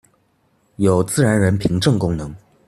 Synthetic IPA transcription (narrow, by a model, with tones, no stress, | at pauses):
jo˨˩ʊt͡sɹ̩˥˩ɻa˧˥nɻə˧˥npʰi˧˥ŋʈ͡ʂɤ˥˩ŋkʊ˥ŋnɤ˧˥ŋ